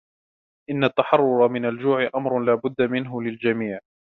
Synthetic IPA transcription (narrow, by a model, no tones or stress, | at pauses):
ʔɪnːat̪ːaħɑrˤːʊɾˤɑmɪnald͡ʒuːʕɪʔamɾˤʊlaːbʊd̪ːamɪnɦʊlɪld͡ʒamiːʕ